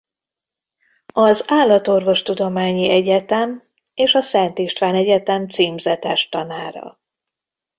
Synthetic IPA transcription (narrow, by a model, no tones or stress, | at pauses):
ɒzaːlːɒt̪o̞rvo̞ʃt̪ud̪o̞maːɲiɛɟɛt̪ɛm | eːʃɒsɛnt̪iʃt̪ʋaːnɛɟɛt̪ɛmt̪siːmzɛt̪ɛʃt̪ɒnaːɾɒ̰